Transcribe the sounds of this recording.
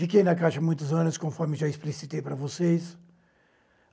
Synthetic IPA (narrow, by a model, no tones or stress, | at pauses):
fikejnɐkajʃɐmũj̃t̪uzɐ̃nʊskõfɔɾmɪʒaisplisit̪ejpɐɾɐvoses